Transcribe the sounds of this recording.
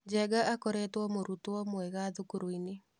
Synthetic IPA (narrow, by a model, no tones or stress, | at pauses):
d͡ʒɛɡaʔakoɾetwɔmoɾutɔmwɛɣaðukuɾoine